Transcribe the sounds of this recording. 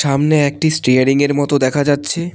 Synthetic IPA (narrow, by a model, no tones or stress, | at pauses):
ʃamneɛk̚ʈisʈɾejaɾiŋeɾmɔt̪od̪ɛkʰad͡ʑatːɕʰe